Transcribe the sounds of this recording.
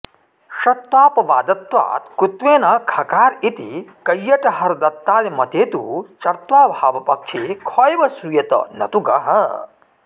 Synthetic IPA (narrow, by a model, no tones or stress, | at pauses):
ʃɐt̪ʋaːpɐʋaːd̪ɐt̪ʋa̰ːt̪kɾut̪ʋeːnɐkʰɐkaːɾit̪ḭkɐjːɐʈɐɦɐɾɐd̪ɐt̪ːaːlimɐt̪eːt̪ṵt͡ʃɐɾt̪ʋaːbʱaːʋɐpɐkʂekʰɔːjʋɐsujɐt̪ɐ̰nɐ̰t̪uɡɐ̰ɦɐ̰